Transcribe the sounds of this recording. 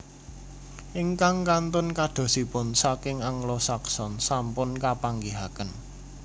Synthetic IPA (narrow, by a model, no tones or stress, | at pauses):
ʔiŋkaŋkant̪ʊnkaɖ̪̥o̤sipʊnsakɪŋaŋlɔsaksɔnsampʊnkapaŋɡiɦakən